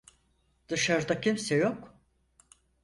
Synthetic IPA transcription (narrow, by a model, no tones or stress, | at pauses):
d̪̥ɯʃaɾd̪acʰimsɛjok